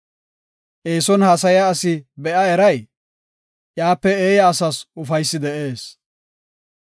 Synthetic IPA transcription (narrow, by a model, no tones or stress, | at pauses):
ʔeːsɔnhɐs̬ɐjaɐsɪbɛʔɐɛɾɐj | jaːpːɛeːjaːsɐsʊfɐjsːɪd̪ɛʔe̞ːs